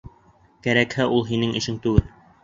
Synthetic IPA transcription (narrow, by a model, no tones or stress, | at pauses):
kæɾækhæʔulˠɦinɘŋɘ̆ʃɘŋt̪ʉɡɘl